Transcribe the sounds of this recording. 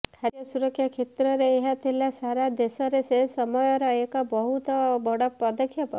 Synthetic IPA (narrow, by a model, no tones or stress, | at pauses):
kʰaɾjɔsuɾɔkʰːjakʰet̪ɾɔɾeːɦat̪ʰilasaɾad̪esɔɾeseɦsɔmɔjɔɾɔekɔbɔɦut̪ɔbɔɽɔpːɔd̪ɔkʰːjɔpɔ̰